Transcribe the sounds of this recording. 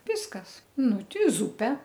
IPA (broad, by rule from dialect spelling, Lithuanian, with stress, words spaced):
ˈʋʲɪskɐsˈnʊ ˈtʲɪ ˈzʊpʲɛ